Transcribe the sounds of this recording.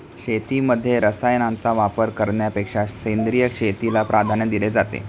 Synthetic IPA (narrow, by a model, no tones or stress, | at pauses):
kɕet̪iməd̪ʱːjeɾəsajnant͡saʋapəɾkəɾɳjapekʂasend̪ɾijəkʂet̪ilapɾʔad̪ʱand̪iled͡zat̪ḛ